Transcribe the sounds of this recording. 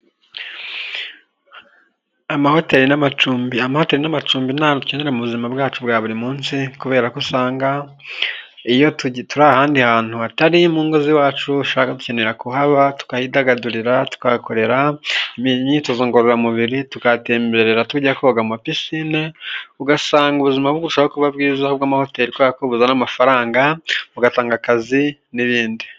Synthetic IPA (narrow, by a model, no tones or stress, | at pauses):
amaho̞teɾinamat͡ʃuːmbiamaho̞teɾinamat͡ʃuːmbinatu̥cendeemuβuzimabɡaːt͡ʃubɡaːβuɾimuːnsikuβeːɾakusaːŋɡa | ijo̞ttuɾaːhaːndihaːn̥huataɾimuːŋɡoziwaːt͡ʃuuʃoβakatu̥ce̞ne̞ɾakuɦaβatu̥kahidaɡaduɾiɾatu̥kako̞ɾe̞ɾaimiɲituzoːŋɡoɾoɾamuβiɾitukate̞ːmbe̞ɾeɾatuɟakoβɡamapisineuɡasaːŋɡuβuzimaβoɡuuʃaokuβabɡiːzahob̚ɡaːmaho̞te̞ɾikwoaakoβuzanamafaɾaːŋɡauɡataːŋɡakazi | niβiːndi